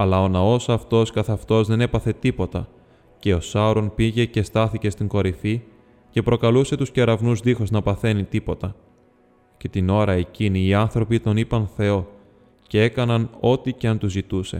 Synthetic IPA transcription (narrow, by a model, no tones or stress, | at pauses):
ɐlɐo̞nɐo̞sɐft̪o̞skɐθɐft̪o̞zðe̞ne̞pɐθe̞t̪ipo̞t̪ɐ | ce̞o̞sɐɾo̞npiʝe̞ce̞st̪ɐθice̞st̪iŋɡo̞ɾifi | ce̞pɾo̞kɐluse̞t̪usce̞ɾɐvnuzðixoznɐpɐθe̞nit̪ipo̞t̪ɐ | ce̞t̪ino̞ɾɐeciniːɐnθɾo̞pit̪o̞nipɐnθe̞o̞ | ce̞e̞kɐnɐno̞t̪ice̞ɐnt̪uzit̪use̞̰